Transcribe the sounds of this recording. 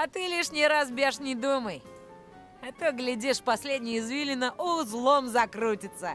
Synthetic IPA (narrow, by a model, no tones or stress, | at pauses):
ɐt̪ɨlʲiʂnʲɪɾasbʲeʂnʲɪd̪uməj | ɐt̪ɨɡlʲɪdʲiʂfpɐsʲlʲedʲnʲɪjɪzvʲilʲɪnəʔʊzlˠomzɐkɾutʲɪt̪sə